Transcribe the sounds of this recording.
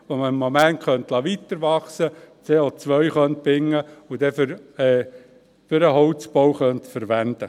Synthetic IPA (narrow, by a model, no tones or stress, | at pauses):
ʋoməɪmːomæntχœnt̪lɑʋit̪əɾʋɑχsət͡seːot͡sʋœjχœnt̪̚pɪŋːəʊd̥̪ɛfʏɾɛ | fʏɾəɦɔwt͡sbowχœnt̪fəɾʋænd̪̥ə